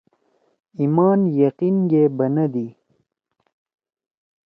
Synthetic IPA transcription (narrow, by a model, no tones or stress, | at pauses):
imaːnjɐqinɡebɐnɐd̪i